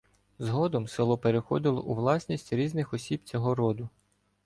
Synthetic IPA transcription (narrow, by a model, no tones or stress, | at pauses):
zɦɔd̪ɔmsɪlˠɔpeɾexɔd̪ɪlˠɔʔuʋlˠɑsʲnʲisʲtʲɾʲiznɪxɔsʲibt͡sʲɔɦɔɾɔd̪ʊ